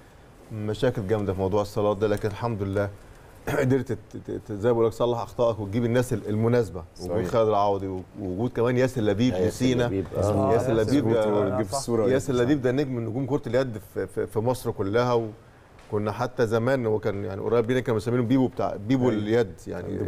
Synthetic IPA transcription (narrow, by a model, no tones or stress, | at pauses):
mæʃæːkelɡæmd̪æfimɑwd̪ˤuːʕesˤːɑlɑːt̪ˤd̪ælæːkenelħamd̪olelːæː | d̪eɾt̪zæjbʔulːæk̪sˤɑlːɑħʔɑxt̪ˤɑːʔɑkwet̪̚ɡiːbenːæːseelmonæːsbæweiːxæːled̪elʕaːwd̪ˤiwewoɡuːd̪̚kæmæːnjæːselːæbiːbjæsiːnæjæːselʔæbiːbd̪æuɾjæːselːæbiːbd̪æʔnːeːkmenːoɡuːmkoɾˤɑt̪eljæd̪ffifimɑsˤɾkolːæhæwe | konːæħat̪ːæzæmæːnowːækæːnjaʕnḭʔo̰ɾˤɑːbiːnækæːnbsæmːiːnobiːbubet̪a̰ʕbiːbuljæd̪ja̰ʕnḭ